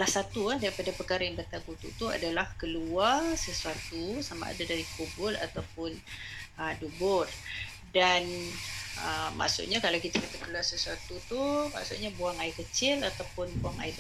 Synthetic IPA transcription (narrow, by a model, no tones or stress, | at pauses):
lahsat̪uandaɾipadapəkaɾajaŋbərt̪aɡut̪ṵʔt̪ua̰dalahkəluarsəsuat̪usama̰ʔa̰dadaɾikobʊla̰t̪awpʊnədubʊr | dan | əma̰ʔsʊ̰ʔɲakalawkit̪akat̪akəluarsəsuat̪ut̪uma̰ʔsʊʔɲabuaŋaɪkət͡ʃɪlat̪awpʊnbuaŋa̰ɪ